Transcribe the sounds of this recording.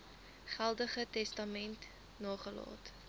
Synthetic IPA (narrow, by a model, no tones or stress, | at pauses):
χælˠdəχətɛstɐmɛnt | noːχəlɑ̰ːt